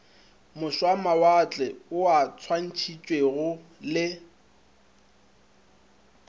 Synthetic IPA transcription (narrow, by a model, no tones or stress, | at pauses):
mʊʃwamawat͡ɬʼɛʊat͡sʰwan̩t͡ʃʰit͡ʃʼweɣʊlɪ